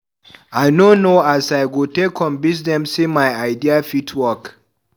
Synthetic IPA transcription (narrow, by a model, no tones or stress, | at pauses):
ajnonoasajɡutekʰɔ̃mbisdɛ̃msimajaɪdiafitʰwɔk